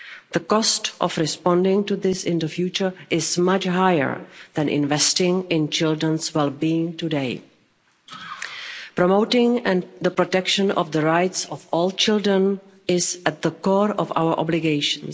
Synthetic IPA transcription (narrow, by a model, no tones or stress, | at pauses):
ð̥əkɔstʔɔ̰fɹɪspɔ̃ndɪ̃ŋtuðɪsɪ̃ndəfjuːt͡ʃə˞ʔɪzmat͡ʃɦajə̰˞ðɛ̃nʔɪ̰̃nvɛstɪ̃ŋɪ̃nt͡ʃɪldɹə̃nswɛlˠbiɪ̃ŋtudeɪ | pɾɔmoʊtɪ̃ŋɛ̃nðəpɾɔtɛkʃə̃nɔ̰fðəɹaɪtsɔfɔːlˠt͡ʃɪldɹə̃n | ɪzɛt̚ðəkɔɹɔfa̰wə˞ʔɔ̰blɪɡeɪʃə̃ns